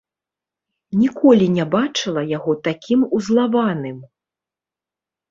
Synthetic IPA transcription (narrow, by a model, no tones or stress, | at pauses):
nʲikʰɔlʲinʲɛbat͡ʂɨlˠɐjaɣɔt̪akʲʰimuzlˠavanɨm